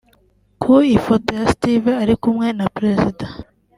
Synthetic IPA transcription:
kʰuifotojastiveaɾikumŋe̞napɾe̞zida

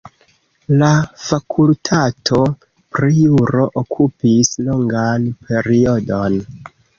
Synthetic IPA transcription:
lafakʰultʰatʰo̞ | pɾijuɾo̞ʔokʰupislo̞ŋɡanpʰe̞ɾio̞do̞n

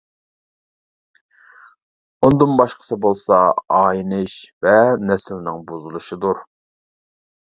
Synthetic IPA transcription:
und̪ɨnbɑʃqʰə̥sʰɨbolˠsɑɑːjinɨʃvɛnɛsɪlnɪŋbuzulˠuʃid̪uɾ

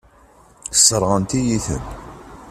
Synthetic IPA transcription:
θəsːəɾˤʁənt̪ijiθə̰n

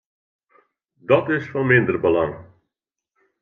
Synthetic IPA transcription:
dɔtɪsfɑnmɪndərbəlɑŋ

